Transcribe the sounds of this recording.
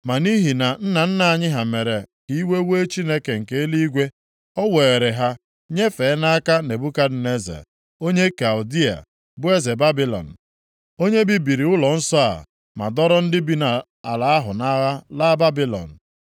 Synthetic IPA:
ma˨ni˦ɦi˨na˨n̩˦na˨n̩˦na˨a˨ɲɪ˦ɦa˨me˨ɾe˨ki˦we˦we˦t͡ʃi˦ne˦ke˨ŋ̩˨ke˦e˦li˦i˦ɡʷe˦ | ɔ˦we˨e˨ɾe˨ɦa˦ | ɲe˦fe˨˦na˦a˦ka˦ne˨bu˦ka˦dɪ˨ne˦zḛ˨ | o˦ɲe˦ka˨u˨di˦a̰˨ | bʊ˦e˦ze˨ba˦bi˦lɔ̰˨n̩˨ | o˦ɲe˦bi˨bi˨ɾi˨ʊ˦lɔ˨n̩˦sɔ˦a̰˨ | ma̰˨dɔ˦ɾɔ˦n̩˦dɪ˦bi˦na˨ | a˨la˨a˦ɦʊ˨na˦ɣa˦la˦ba˦bi˦lɔ̰˨n̩˨

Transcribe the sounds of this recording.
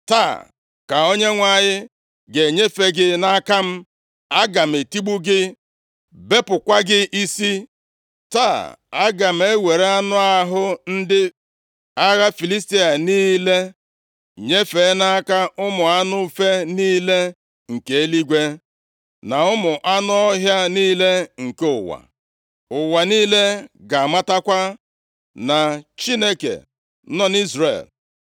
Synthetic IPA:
ta̰ː˦˨ | ka˨o˦ɲe˦ŋʷa˨ɲɪ˦ | ɡe˨ɲe˦fe˦ɡɪ˦na˦ka˦m̩˦ | a˦ɡa˨m̩˨e˨ti˦ɡ͡bu˦ɡɪ˦ | be˦pʊ˨kʷa˦ɡɪ˦ʔi˦si˦ | taː˦˨a˦ɡa˨m̩˨˦e˦we˨ɾe˦a˦nʊ˦a˦ɦʊ˦n̩˦dɪ˦ | a˦ɣa˦fi˨li˦s̬ti˦a˨niː˦le˦˨ | ɲe˦fe˨˦na˦ka˦ʔʊ˦mʊ˨a˦nʊ˦fe˦niː˦le˦ | ŋ̩˨ke˨˦e˦li˦ɡʷe˦ | na˨ʊ˦mʊ˨ʔa˦nʊ˦ɔ˦ɦja˦niː˦le˦ŋ̩˨ke˦ʊ˨wa̰˨ | ʊ˨wa˨niː˦le˦ɡa˨a˨ma˦ta˦kʷa˦ | na˨t͡ʃi˦ne˦kḛ˨˦ | nɔ˦ni˦zrḛ˨l

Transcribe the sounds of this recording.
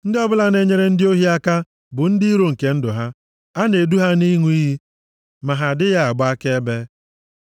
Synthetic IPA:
n̩˦dɪ˦ɔ˦bʊ˦la˦ne˦ɲe˦ɾe˦n̩˦dɪ˦o˦ɦi˦a˦ka˦ | bʊ˨n̩˦di˦ɾo˨ŋ̩˨ke˦n̩˦dʊ˨ɦa˦ | a˦ne˨du˦ɦa˦ni˦ŋu˦i˦ɦi˦ | ma˨ɦa˨dɪ˦ja˦a˨ɡ͡ba˦ke˦be˦

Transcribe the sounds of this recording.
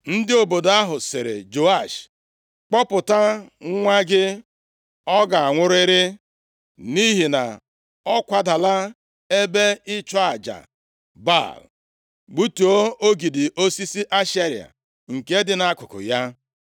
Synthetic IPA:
n̩˦dɪ˦o˨bo˨da˦ɦʊ˨sɪ̰˨ɾɪ̰˨d͡ʒo˨a˦˨ʃ | k͡pɔ˦pʊ˨ta˦ŋ˦ŋʷa˦ɡɪ˦ | ɔ˦ɡa˨a˨ŋʷʊ˦ɾʊ˦ɪ˦ɾɪ˦ | ni˦ɦi˨na̰˨ | ɔ˦kʷa˨da˨la˦ | e˦be˦ɪ˦t͡ʃɔ˦a˨d͡ʒa̰˨ | ba̰˦˨l | ɡ͡bu˦tu˨o˦o˦ɡi˨dɪ˨ʔo˦si˦si˦ʔa˦ʃe˦ɾi˨a̰˨ | ŋ̩˨ke˦dɪ˦na˦kʊ˨kʊ̰˨ja˦

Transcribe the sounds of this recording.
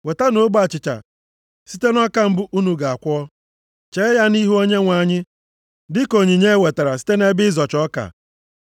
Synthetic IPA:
we˨ta˦no˦ɡ͡ba˨t͡ʃɪ˨t͡ʃa̰˨ | si˦te˦nɔ˦ka˦m̩˦bʊ˦ʔu˦nu˨ɡa˨a˨kʷɔ˦ɔ˦ | t͡ʃe˦ja˦ni˦ɦu˦o˦ɲe˦ŋʷa˨ɲɪ˦ | dɪ˦ko˨ɲi˨ɲe˦we˨ta˨ɾa˨si̥˦te˦ne˦bɪ˦zɔ˨t͡ʃɔ˦ka̰˨

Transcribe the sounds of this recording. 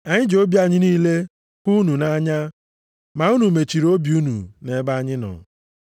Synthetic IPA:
a˨ɲɪ˦d͡ʒo˦bja˦ɲɪ˦niː˦le˦ | ku˦nu˨na˦ɲa˦ | ma˨u˦nu˨me˨t͡ʃi˨ɾo˦bju˦nṵ˨ne˨˦ba˦ɲɪ˦nɔ̰˨

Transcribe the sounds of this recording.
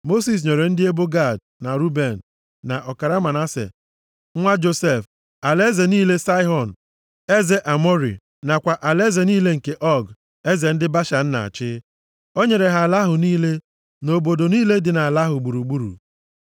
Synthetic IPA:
mo˦s̬i˨s̬ɲe˨ɾe˨n̩˦dɪ˦e˦bo˦ɡa˦˨d̚ | na˨ɾu˦be˨n̩˨ | na˨ʔɔ˨ka˨ɾa˦ma˨na˦sḛ˨˦ | ŋʷa˦d͡ʒo˦se˦˨f | a˨le˦ze˨niː˦le˦sa˦ɪ˦ɦɔ˨n˨ | e˦ze˨ʔa˨mɔ˦ɾḭ˨ | na˨kʷa˨ʔa˨le˦ze˨niː˦le˦ŋ̩˨ke˦ʔɔ˦ɡ | e˦ze˨n̩˦dɪ˦ba˦ʃa˨n̩˦na̰˨a̰˨t͡ʃɪ˦ | o˦ɲe˨ɾe˨ɦa˨la˦ɦʊ˨niː˦le˦ | no˨bo˨do˨niː˦le˦dɪ˨na˨a˨la˦ɦʊ˨ɡ͡bu˨ɾu˨ɡ͡bu˦ɾṵ˨

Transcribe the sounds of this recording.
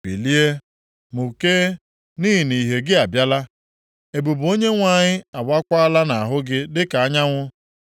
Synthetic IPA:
pḭ˨li˦e˦ | mu˨ke˦ | ni˦ɦi˨ni˨ɦe˨ɡɪ˦a˨bja˦la˦ | e˨bu˨bo˦ɲe˦ŋʷa˨ɲɪ˦a˨wa˦kʷa˦a˦la˦na˨a˨ɦʊ˦ɡɪ˦dɪ˦ka˨a˦ɲa˦ŋʷʊ˦

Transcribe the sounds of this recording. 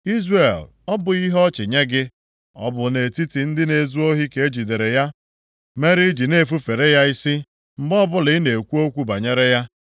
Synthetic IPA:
i˦zre˨l | ɔ˦bʊ˨i˦ɦɔ˦t͡ʃɪ˨ɲe˦ɡɪ˦ | ɔ̰˦bʊ˨ne˨ti˦ti˨n̩˦dɪ˦ne˨zu˦o˦ɦi˦ke˨e˦d͡ʒi˨de˨ɾe˨ja˦ | me˦ɾi˦d͡ʒi˨ne˦˨fu˦fe˨ɾe˦ja˦i˦si˦ | m̩˨ɡ͡bɔ˦bʊ˦lɪ˨˦ne˨kʷu˦o˦kʷu˦ba˨ɲe˦ɾe˦ja˦

